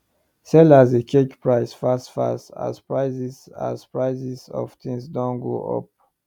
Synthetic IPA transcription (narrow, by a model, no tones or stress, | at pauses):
sɛlazekʰekpɹaɪsfastfa̰sta̰spɹaɪzisa̰zpɹaɪzisɔ̰ft̪ʰĩŋsdɔ̃nɡo̰ʔɔ̰p̚